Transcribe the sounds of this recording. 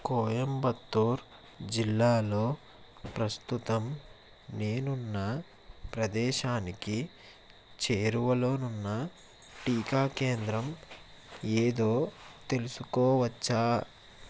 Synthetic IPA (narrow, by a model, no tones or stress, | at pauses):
koːjɐmbɐt̪ːuːɾ | d͡ʒilːaːlo̞ː | pɾɐst̪ut̪ɐm | neːnunːɐ | pɾɐd̪ɛːʃaːniki | t͡ʃeːɾuʋɐlo̞ːnunːɐ | ʈiːkaːke̞ːnd̪ɾɐm | eːd̪o̞ːt̪e̞lusukoːʋɐt͡ʃːaː